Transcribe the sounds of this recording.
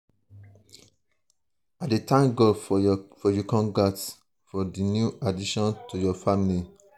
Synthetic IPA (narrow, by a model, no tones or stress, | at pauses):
adetãŋɡolfɔjukɔ̃nɡat | fɔdinjuadiʃɔ̃ntujɔfamili